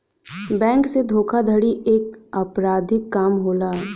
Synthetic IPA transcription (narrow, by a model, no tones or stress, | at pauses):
bɛ̃ːŋksed̪ʱoːkʰad̪ʱəɽiʔeːkɐpɾaːd̪ʱɪkːaːmɦoːlaːɦɛ